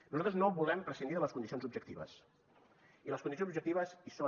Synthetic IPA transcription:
nuzalt̪ɾəznoβulˠɛmpɾəsind̪iðələskund̪isionzub̚ʒək̚t̪iβə̰s | iləskundis̬ionzubʒək̚t̪iβəsiso

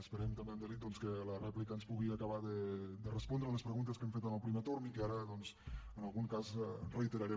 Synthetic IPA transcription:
əspəɾɛmt̪ambeamd̪əɾit̪̚d̪ɔnskelərɛplikəːnspuɣiakaβaðəd̪ərəspɔnd̪ɾələspɾəɣunt̪əskemfet̪əməlpɾimet̪oɾmikəaɾəðɔnzənalˠɣuŋkazreit̪əɾaɾe

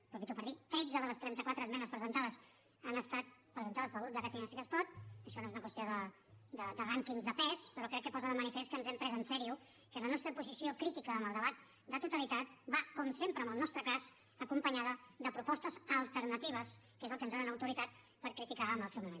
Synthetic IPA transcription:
pɾufit̪upəɾðit̪ɾed͡zəðələst̪ɾɛnt̪əkwat̪ɾəzmɛnəspɾəzənt̪aðəs | ənəst̪at̪̚pɾəzənt̪aðəspəɾɣud̪əkat̪inasikəspɔt̪̚əʃɔnoezunəkwəst̪joðə | d̪əd̪əɣaŋkiŋzðəpɛspəɾɔkɾɛkːəpɔzəðəmənifest̪kənzɛmpɾɛzənsɛɾiu | kələnɔst̪ɾəpuzisiokɾit̪ikəːmbəlˠd̪əβat̪̚ | d̪ət̪ut̪əlit̪at̪̚bakɔmsempɾəːmbəlˠnɔst̪ɾəkaz | əkumpəɲaðəd̪əpɾupɔst̪əzəlˠt̪əɾnət̪iβ̞əskezəlˠkənzðonənəwt̪uɾit̪at̪̚ | pəɾkɾit̪ikaːmbəlˠsewmumen

